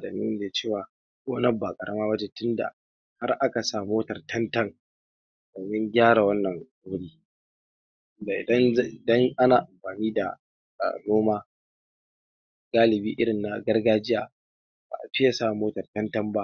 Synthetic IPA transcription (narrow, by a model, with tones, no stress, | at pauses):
dɐ˨ni˦deː˨t͡ʃeː˦˨waː˨ | kʷʼoː˦nɐ˦ba˨kʼɐ˨ɽɐ˦maː˦bɐ˦d͡ʒeː˦tʊ˦nda̰˨ | ha˦rʔa˦ka˨saː˦moː˦tɐ˨rtʰɐ˦ntɐ˦ŋ | doː˨mɪ˦ŋɡʲaː˦ɽa˨wɐ˦nːɐ˨ŋ | ʊ˦ʊ˦ɽiː˦ | tʊ˦nda˨ʔɪ̰˨dɐ˦n˦ʔɪ˨dɐ˦ŋʔa˦naː˨ʔa˨mɸaː˨niː˦da̰˨ | noː˦maː˦ | ɡ̥aː˦lɪ˨biː˦ʔɪ˦ɽɪ˨nːa˨ɡɐ˦rɡaː˦d͡ʒɪ˦jaː˨ | ba̰˨ʔa˨ɸɪ˦ja˨sa˦˨moː˦tɐ˨rtɐ˦ntɐ˦mba˦ʔ